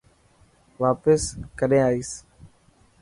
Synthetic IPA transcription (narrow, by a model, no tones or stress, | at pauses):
ʋaːpəskəɗẽːaːiːs